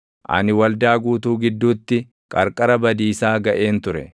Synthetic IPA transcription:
ʔɐ̰nɪwɐld̪aːɡuːt̪uːɡɪd̪ːuːt̪ːɪ | kʼɐɾkʼɐɾɐbɐd̪iːsaːɡɐʔe̞ːnt̪ʊɾɛ̰

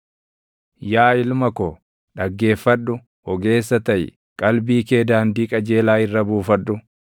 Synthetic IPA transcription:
jaːɪlmɐkɔ | ɗɐɡːe̞ːfːɐɗʊ | ɔɡe̞ːsːɐt̪ɐj | kʼɐlbiːke̞ːd̪aːnd̪iːkʼɐd͡ʒe̞ːlaːɪrːɐbuːfɐᶑːʊ

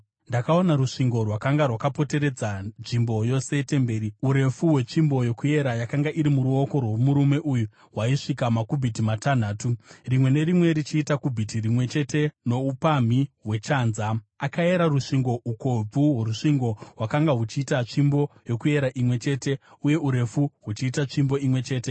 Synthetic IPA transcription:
ndakaonaɾuʂiŋɡo̞rwakaŋɡarwakapo̞te̞ɾe̞d͡zanʐimbo̞jo̞se̞te̞mbe̞ːɾiuɾe̞fuwe̞t͡ʂimbo̞jo̞kuje̞ɾajakaŋɡaʔiɾimuɾuo̞ko̞rwo̞muɾume̞ʔuju | ɦwaiʂikamakubʱitimatan̤aːturimwe̞ne̞ɾimwe̞ɾit͡ʃiːtakubʱitirimwe̞t͡ʃe̞te̞no̞upam̤iɦwe̞t͡ʃaːnzaakae̞ɾaruʂiŋɡo̞ʔuko̞b͡vuɦwoɾuʂiŋɡo̞ɦwakaŋɡaɦut͡ʃiːtat͡ʂimbo̞jo̞kue̞ɾaʔimwe̞t͡ʃe̞ːte̞uje̞uɾe̞fuɦut͡ʃiːtat͡ʂimbo̞imwe̞t͡ʃe̞ːte̞

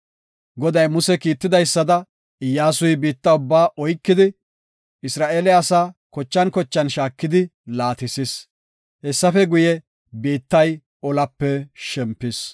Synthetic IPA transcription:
ɡɔd̪ɐjmʊsɛkiːt̪ːɪd̪ɐjsːɐd̪ɐ | ɪjːaːs̬ʊjbiːt̪ːɐʊbːaːʔɔjkːɪd̪ɪ | ɪsɾaːʔeːlɛɐsaːkɔt͡ʃːɐnkɔt͡ʃːɐnʃaːkːɪd̪ɪlaːt̪ɪsɪs | hɛsːɐfɛɡʊjɛ | biːt̪ːɐj | ɔlɐpːɛʃɛmpːɪs

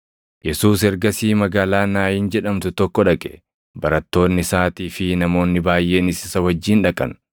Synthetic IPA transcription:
jɛsuːsɛɾɡɐsiːmɐɡaːlaːnaːjɪnd͡ʒɛᶑɐmt̪ʊt̪ɔkːɔᶑɐkʼɛ̥ | bɐɾɐt̪ːo̞ːnːɪsaːt̪iːfɪnɐmo̞ːnːɪbaːjʔe̞ːnɪsɪsɐwɐd͡ʒːiːnᶑɐkʼɐ̰n

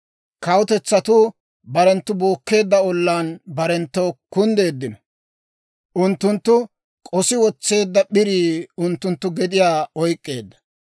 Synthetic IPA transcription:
kɐwʊt̪ɛt͡sːɐt̪ʊ | bɐɾɛnt̪ːʊboːkːe̞ːd̪ːɐɔlːaːnbɐɾɛnt̪ːɔwkʊnd̪e̞ːd̪ːɪnɔ | ʔʊnt̪ːʊnt̪ːʊ | kʼɔsɪwɔt͡sːe̞ːd̪ːɐɓɪɾiːʊnt̪ːʊnt̪ːʊɡɛd̪ɪjaːɔjkʼːe̞̰ːd̪ːɐ̥

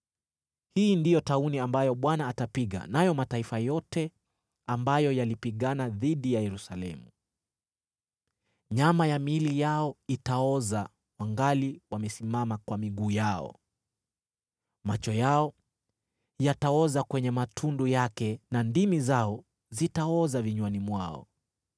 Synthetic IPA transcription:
hiːndijɔtauniambajɔɓwanaːtapiɠa̰najɔmataifajɔtɛ | ambajɔjalipiɠanaðiɗijajɛɾusalɛmu | ɲamajamilijaɔitaɔza | waŋɡaliwamɛsimamakwamiɠuːjaɔ̰ | mat͡ʃɔjaɔ | jataɔzakwɛɲɛmatʰundujakɛnandimizaɔ | zitaɔzaviɲwanimwaɔ̰

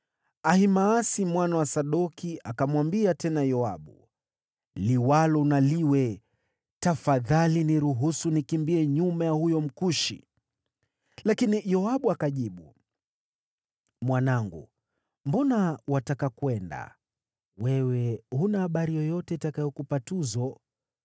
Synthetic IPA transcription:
ahimaːsimwanawasaɗɔkiʔakamwambiatɛnajɔaɓu | liwalɔunaliwɛ | tafaðaliniɾuɦusunikimbiɛɲumajahujɔm̩kuʃḭ | lakinijɔaɓuakaʄiɓu | mwanaŋɡṵ | mbɔnawatakakwɛnda̰ | wɛwɛhunahaɓaɾijɔjɔtɛitakajɔkupatuzɔ

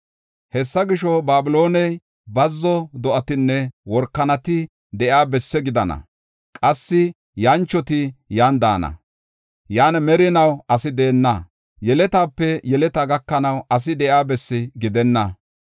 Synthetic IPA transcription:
hɛsːɐɡɪʃɔbaːbɪlo̞ːnɛj | bɐzːɔd̪ɔʔɐt̪ɪnːɛwɔɾkːɐnɐt̪ɪ | d̪ɛjaːbɛsːɛɡɪd̪ɐnɐ̰ | kʼɐsːɪ | jɐnt͡ʃːɔt̪ɪjaːnd̪a̰ːnɐ̰ | jaːnmɛɾɪnɐwɐsɪd̪eːnːɐ | jɛlɛt̪aːpːɛjɛlɛt̪ɐɡɐkːɐnɐwɐs̬ɪd̪ɛjaːbɛsːɪɡɪd̪ɛnːɐ

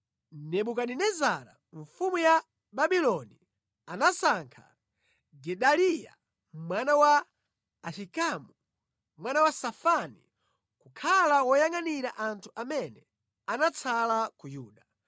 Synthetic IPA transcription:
nɛɓukaninɛzaɾa̰ | ɱfumuja | ɓaɓilɔni | anasaŋkʰa̰ | ɡɛɗalija̰ | mwanawaː | ʃikamu | mwanawasafani | kukʰalawɔjaŋaniɾaʔantʰuʔamɛnɛ | anat͡sʰalakujuːɗa

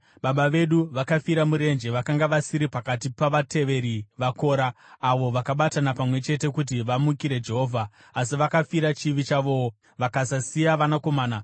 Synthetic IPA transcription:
ɓaɓaʋe̞ɗuʋakafiɾamuɾe̞nd͡ʒe̞ʋakaŋɡaʋasiɾipakatipaʋate̞ʋe̞ɾiʋako̞ːɾaːʋo̞ʋakaɓatanapamwe̞t͡ʃe̞t̬e̞kut̬iʋamukiɾe̞d͡ʒe̞ɦo̞ːvʱaː | s̬iʋakafiɾat͡ʃiʋit͡ʃaʋo̞wo | ʋakasasijaʋanako̞maːna

